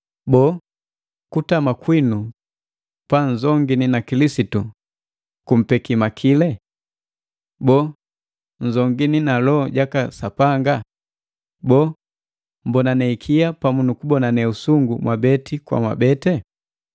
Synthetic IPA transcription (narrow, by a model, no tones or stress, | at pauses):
bɔ | kutamakwinu | panzɔŋɡininakilisitu | kum̩pɛkimakʰilɛ | bɔ | n̩zɔŋɡininalɔɟakasapaŋɡa | bɔ | m̩bɔnanɛikʰiapamunukubɔnanɛusuŋɡumwabɛtikwa̰mwa̰bɛtɛ